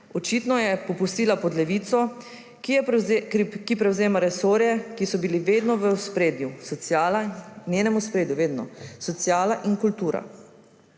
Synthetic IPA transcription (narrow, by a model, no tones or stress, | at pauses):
ɔt͡ʃiːt̪nɔjɛpɔpust̪iːlapɔd̪lɛʋiːt̪sɔ | kipɾɛwzeːmaɾɛsoːɾjɛkisɔbiliʋeːd̪nɔʋəspɾeːd̪jusɔjalanʲjeːnɛmuspɾeːd̪njuʋeːd̪nɔsɔt̪sjaːlaʔiŋkult̪uːɾa̰